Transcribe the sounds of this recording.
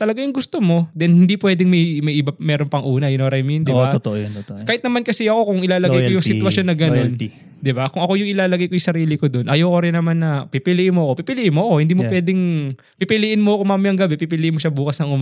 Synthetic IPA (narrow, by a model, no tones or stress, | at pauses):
t̪ɐlɐɡajʊŋɡʊst̪omo̞d̪ɛnhɪnd̪ipwɛːd̪ɪŋmɐjmɐjʔɪbɐmɛːɾonpɐŋʔuːnɐjɪnoɾɐjmind̪ɪbat̪ot̪oʔjot̪kaːhɪt̪nɐmankɐsɛʔɐko̞kʊŋʔɪlaːlɐɡajkojʊŋsɪt̪wɐsjo̞nːɐɡɐno̞n | d̪ɪbakʊŋʔɐko̞jʊŋʔɪlaːlɐɡɐjkojsɐɾiːlɪkod̪onʔɐjoːkoɾɪnːɐmanːɐpipɪlɪʔɪnmoɐko̞pipɪlɪʔɪnmoʔɐko̞hɪnd̪iːmopwɛːd̪ɪŋ | pipɪliʔɪnmoɐkomamjɐŋɡɐbɛpipɪlɪʔɪnmoʃabuːkɐsnɐŋʔʊm